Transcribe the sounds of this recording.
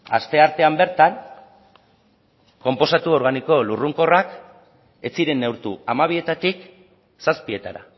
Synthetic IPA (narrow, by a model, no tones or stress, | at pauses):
a̰st̪e̞aɾt̪e̞ambe̞ɾt̪an | ko̞mpo̞sat̪uo̞ɾɣ̞aniko̞luruŋko̞rak | e̞t͡siɾe̞nːe̞wɾt̪uamaβ̞ie̞t̪at̪ik | saspie̞t̪aɾa̰